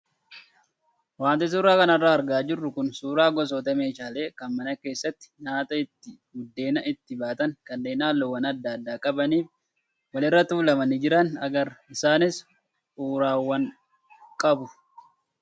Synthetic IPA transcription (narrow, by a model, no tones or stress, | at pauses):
waːnt̪ɛs̬uɾaːkɐnɐrːaːɐɾɡaːd͡ʒɪrːʊkʊnsuːɾaːɡɔs̬oːt̪ɐmeːt͡ʃaːle̞ːkɐnmɐnɐke̞ːsːɐt̪ːɪ̥ɲaːt̪ʼɐɪt̪ːɪɡʊd̪ːe̞ːnɐʔɪt̪ːɪbaːt̪ɐŋkɐnːe̞ːnaːlːɔwɐnɐd̪ːaːd̪aːkʼɐbɐniːf | wɐlɪrːɐt̪uːlɐmɐnɪd͡ʒɪɾɐnɐ̰ɡɐɾɪsaːnɪs | ʔuːɾaːwːɐŋ | kʼɐbʊ